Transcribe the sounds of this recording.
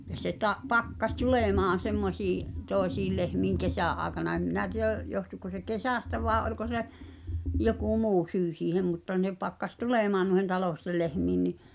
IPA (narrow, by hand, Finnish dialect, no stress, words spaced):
jɑ se tɑ pɑkːɑsʲ tuleˑmɑːn̞ semːosiːʔ toˑesiːl lehmiːŋ kesæˑʔ ʔɑːĕkɑnɑ em minæ tiæˑ johtuko se kesæˑstæ ʋɑˑe ʔolʲko se joku muː syː siːhem mutːɑ ne pɑkːɑs tuleˑmɑːn nuĭhen tɑloˑstel lehmiːn ni